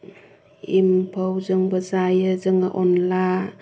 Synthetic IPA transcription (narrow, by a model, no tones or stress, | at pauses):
impʰəwzɯŋbəzajɯzɯŋaʔɔnla